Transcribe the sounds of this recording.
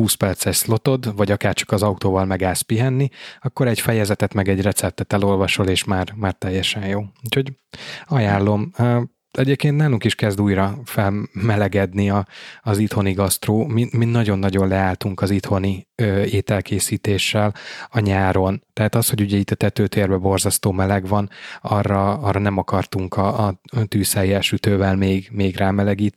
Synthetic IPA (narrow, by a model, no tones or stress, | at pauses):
huːspɛrt̪sɛʃslo̞t̪o̞d̪vɒɟɒkaːrt͡ʃɒ̥kɒzɒut̪oːvɒlmɛɡaːspiɦɛnːiɒkːo̞ɾɛɟfɛjɛzɛt̪ɛt̪mɛɡɛɟrɛt̪sɛp̚t̪ɛt̪ɛlo̞lvɒʃo̞leːʃmaːrmaːrt̪ɛjːɛʃɛnjoːucho̞ɟɒjaːlːo̞m | ɛɟeːp̚keːnt̪naːluŋkiʃkɛzd̪uːjrɒfɛlmɛlɛɡɛd̪niɒːzit̪ho̞niɡɒst̪roːmiminnːɒɟo̞nːɒɟo̞nlɛaːlt̪uŋkɒzit̪ho̞niøːeːt̪ɛlkʰeːsiːt̪eːʃːɛlɒɲaːɾo̞nt̪ɛɦat̪ɒsho̞ɟuɟɛit̪ːɒt̪ɛt̪øːt̪eːrbɛbo̞rzɒst̪oːmɛlɛɡvɒnɒrːɒɒrːɒnɛmɒkɒrt̪uŋkɒːt̪yːsɛjːɛʃyt̪øːvɛlmeːɡmeːɡraːmɛlɛɡiːt̪